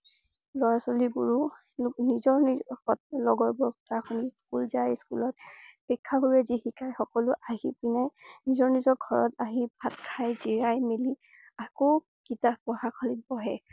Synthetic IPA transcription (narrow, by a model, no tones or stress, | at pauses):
lɔɹasɔlibṵɹu | nizɔɹxɔtlɔɡɔɹbɔɔtʰakʰɔniskṵlzajskṵlɔt̚pɛkʰːabuɹɛzihikʰajxɔkɔlʊʔaɦipinajnizɔɹnizɔɡʱɔɹɔ̰taɦibʱatkʰajziɹajmeli | ako | kitapɔhakʰɔlit̚bɔɦɛ